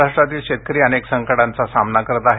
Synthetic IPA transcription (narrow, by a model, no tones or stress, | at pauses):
aʂʈɾat̪iːlɕet̪̚kəɾiːəneksəŋkəɽant͡sasamnakəɾt̪aɦ